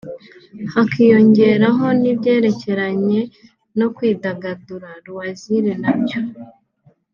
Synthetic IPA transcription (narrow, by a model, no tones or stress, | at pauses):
hakijo̞ɲɟe̞ɾaɦo̞nibɟe̞ːɾe̞ce̞ɾaɲe̞ | no̞kwiːdaɡaduɾaɾuwaziɾe̞nabjo